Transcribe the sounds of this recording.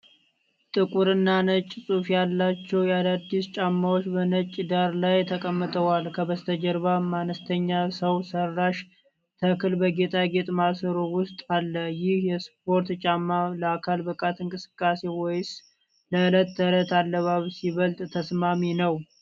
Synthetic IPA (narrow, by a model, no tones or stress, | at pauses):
t̪ʼɨkʼuɾɨnːanət͡ʃʼːsʼufjalːat͡ʃːɛwjalad̪ːist͡ʃʼamːawot͡ʃːbənət͡ʃʼːd̪aɾlajt̪ʰəkʼəmːɨt̪ʼəwalkʰəbəst̪ʰəd͡ʒəɾβamanəst̪ʰəɲːasəwsərːaʃ | t̪ʰəkɨlbəɡet̪ʼaɡet̪ʼmasəɾowʊst̪ʼalːəjɪhjɛsp̚o̞ɾt̪t͡ʃʼamːaləakʰalbɨkʼat̪ɨŋkʼɨsɨ̥kʼːase̞wɔjs | ləɨlət̪ːələt̪alːəβaβsiβəlt̪ʼt̪ʰəsmaminəw